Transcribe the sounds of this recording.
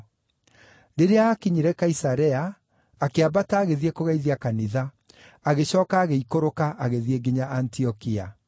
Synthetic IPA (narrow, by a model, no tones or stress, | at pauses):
deɾeaːkiɲiɾɛkaisaɾɛaː | keabataːɣeðiɛkoɣaiðiakaniða | aɣeɕɔːkaːɣeikoɾokaʔaɣeðieɡiɲaʔantiɔkia